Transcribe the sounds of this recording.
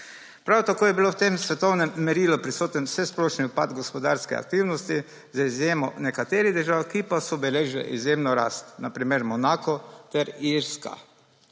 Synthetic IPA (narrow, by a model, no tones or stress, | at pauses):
pɾawt̪akoːjɛbilowt̪emsʋɛt̪ɔwnɛmːɛɾiːlɔpɾisoːt̪ɛnsɛsploːʃniupad̪ɡɔspɔd̪aɾskɛ̰a̰k̚t̪iːwnɔst̪i | zaizjeːmɔnɛkat̪eːɾiɣd̪əɾʒaːwkipasɔbɛleːʒlɛ̰ʔizjemnɔɾa̰ːst̪napɾimeɾmɔnaːkɔt̪ɛɾiɾska̰